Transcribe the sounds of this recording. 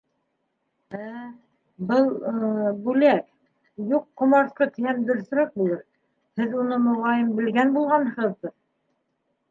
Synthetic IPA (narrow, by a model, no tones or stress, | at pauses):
æ | bɤlˠbʉlæk | juqːŏmɑɾθqɤt̪ĭjæmd̪ɵ̆ɾs̆ɾɑq̚bulˠɤɾ | hɘðunɤmŏʁɑjɤmbɘ̆lɡænbulˠʁɑnhɤ̆ʁɤðbɤð